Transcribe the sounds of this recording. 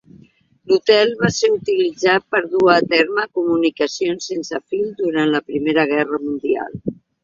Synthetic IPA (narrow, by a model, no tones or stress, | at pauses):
lut̪ɛlˠβaseɾut̪ilid͡zat̪̚pəɾðuəːt̪ɛɾməkumunikəsionsːensəfild̪uɾanləpɾimeɾəɣ̞ɛrəmund̪ia̰lˠ